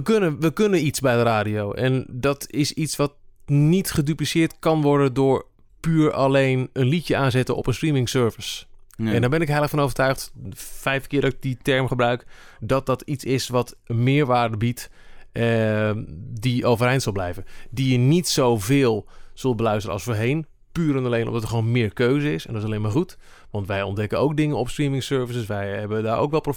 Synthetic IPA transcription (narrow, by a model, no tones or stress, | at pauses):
əkønəʋəkønənitsbɛjdəraːdijowʔɛ̰ndɔtʰɪsisʋɑtnitχədyplisɪːɹtkɑnʋɔɹdəndʊːɹ | pyːɹalejnənlitjəʔaːnzɪtənɔ̰pənstrimɪŋsøːɹvəsɛndɔɹbɛnɪkɦɛjlˠəxfɔnowvətœɥxtfɛjfəkɪːədɔɪk̚ditɛɹmχəbrœɥkdɔt̚dɑtisɪsʋɔtmɪːɹʋaːrdəbit | diowvərɛjntsɔlˠblɛjvəndijənitsowvɪːlˠz̥ɵlˠt̚bəlœɥstərənɑ̰lsfoːɹɦejn | pyːɾənəlejnʔɔ̰mdɔtəχxʋoːwnmɪːɹkøːzəɪsɛndɔtɪsleːmaːɹχut | ʋɑntʋɛjɔndɛkənowk̚dɪŋənɔpstrimɪŋsøːɹvəsəsʋɛjɦɛbədaːɹʔo̰wkʋɛlˠp